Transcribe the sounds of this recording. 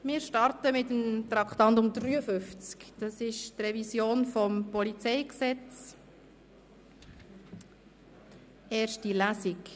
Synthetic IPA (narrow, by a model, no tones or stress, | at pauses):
mɪːɾʃtɑrtəmɪtəmt̪rɑkχt̪ɑnt̬ʊmd̪ryːəfʏft͡skd̥ɑsɪʃtrɛvisjoːnfɔmpɔlit͡sɛɪksɛt͡s | eːɾʃtilæsik